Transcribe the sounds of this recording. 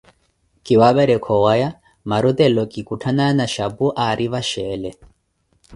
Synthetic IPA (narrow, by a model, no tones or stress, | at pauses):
kiwaβɛɾɛkʰɔwaja | maɾut̪ɛlɔkikutʰananaʃabuʔaɾʔiβaʃɛlɛ